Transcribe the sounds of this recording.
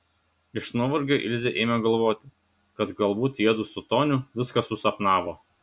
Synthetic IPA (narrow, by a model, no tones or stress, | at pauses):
ɪʃnuɔʋɐɾʲɡʲoːʔɪ̰lʲzʲeʔeːmʲɛɡɐlˠʋoːt̪ʲɪ | kɐt̪ɡɐlˠbuːt̪iɛd̪usʊt̪oːnʲʊʋʲɪskɐsʊsɐpnɑːʋoː